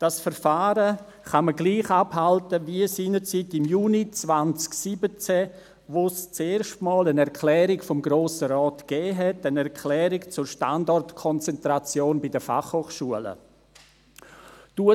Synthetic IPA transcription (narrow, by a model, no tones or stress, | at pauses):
d̥asfəɾfaːɾə | χaməɡliːχaphaltəviəsiːnət͡sitɪmjuːnit͡svant͡sksibət͡sɛ | ʋost͡seːɾʃtmɔːlənɛɾkʰlɛːɾikfɔmɡɾoːsəɾɔːtɡ̥ɛːɦɛtənɛɾkʰlɛːɾikt͡sʊrʃtandɔrtkʰɔnt͡sɛntɾat͡sjoːnbidəfa̰χhoːχʃuələ̰ | d̥uə